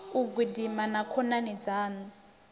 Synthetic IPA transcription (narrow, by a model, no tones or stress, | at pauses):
uɡudimanakʰɔnanid͡zaːnu